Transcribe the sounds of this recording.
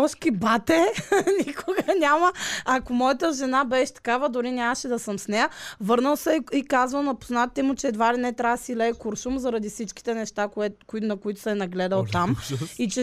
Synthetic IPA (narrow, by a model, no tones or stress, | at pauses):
ɔʃkibat̪ɛnʲikʰʊɡənʲamɐɐkomɔjɐt̪əʒɛnabɛʃt̪ɐ̥kavəd̪ʊɾinʲjamɐʃɛd̪ɐsəmsnɛjəvɤɾnəlˠsɛikazvəlˠnɐpʊznatt̪ɛmʊt͡ʃɛːd̪vaɾɛnɛt̪ɾasilɛːkoɾʃumzɐɾɐd̪ifsit͡ʃki̥t̪ɛnɛʃt̪akɛnɐkʊit̪ʊ̥sɛnɐɡlɛd̪əlˠt̪amit͡ʃɛ